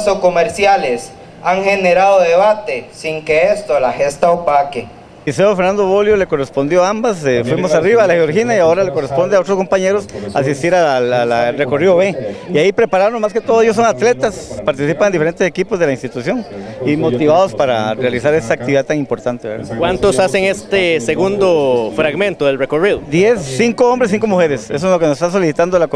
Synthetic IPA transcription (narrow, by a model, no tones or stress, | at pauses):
sokomeɾsjales | aŋxeneɾaðoðeβat̪esiŋkeest̪olaxest̪aopake | iseofeɾnand̪oβoljole̞ko̞respo̞nd̪joambasefwimosariβaːlaxeoɾxinaiao̞ɾaleko̞respo̞nd̪eao̞t̪ɾosko̞mpaɲe̞ɾosaːs̬ist̪iɾaalare̞ko̞riðoβeiaipɾe̞paɾaɾonmasket̪oðoejos̬oŋat̪le̞t̪aspaɾt̪isipaŋend̪ifeent̪ese̞kipozðelainst̪it̪usjo̞ŋimo̞t̪iβaðospaɾa̰realisaɾe̞st̪aːkt̪iβiðaðt̪aŋimpo̞ɾt̪ant̪eeɾa̰kwant̪osaseŋest̪eseɣund̪ofɾaɣmẽ̞nt̪oðelrekoriðod̪je̞sːiŋkoombɾesiŋkomuxe̞ɾeses̬oelo̞kenosest̪as̬o̞lisit̪and̪olak